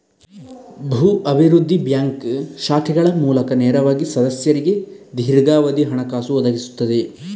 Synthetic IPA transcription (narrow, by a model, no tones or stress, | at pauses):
bʱuːʔɐbʱiɾud̪ʱːibjaːŋkʃaːkʰɛɡɐɭɐmuːlɐkɐneːɾɐʋaːɡisɐd̪ɐsjɐɾiɡe̞d̪ʱiɾɡaːʋɐd̪iɦɐɳɐkaːsuɔd̪ɐɡisu̥t̪ːɐd̪e̞